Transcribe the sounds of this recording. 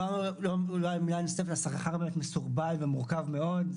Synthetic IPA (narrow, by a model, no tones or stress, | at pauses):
aʁnuloulajmilajnosefetasaχaχaʁbemet̪mesuʁbalvemuʁkavmeo̞d